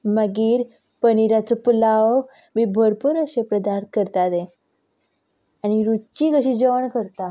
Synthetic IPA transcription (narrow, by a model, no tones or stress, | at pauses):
məɡiːɾ | pəniɾat͡səpulaʋ | mibʱəɾpuɾəɕepɾəd̪ankəɾt̪ad̪e | añiɾut͡ɕikəɕid͡ʑəʋəɳkəɾt̪a